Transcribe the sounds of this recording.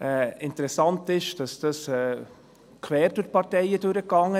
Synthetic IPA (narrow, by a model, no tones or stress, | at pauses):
ɛɪntəɾɛsɑntɪʃd̥ɑsd̥ɑsɛː | kʰvɛːɾd̥ʊɾ̚pɑɾtɛɪəd̥ɵɾəkɑŋːə